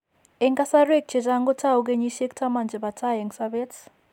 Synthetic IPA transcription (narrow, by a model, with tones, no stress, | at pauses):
eŋka˦sa˦re˦k̚t͡ʃʰe˨ta˦ŋɡo˦tʰa˦u˦k̬e˦ɲi˦ʃe˦ktʰa˦ma˨nd͡ʒɛ˨βa˨tʰa˦ɦe˨ŋsaβe˦t͡s